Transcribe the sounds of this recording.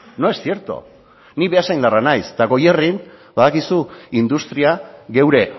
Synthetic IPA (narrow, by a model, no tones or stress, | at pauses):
no̞e̞ssie̞ɾt̪o̰ | niβe̞asajnd̪aranajst̪aɣo̞jerinbaðakisuind̪ust̪ɾiaɣe̞wɾe̞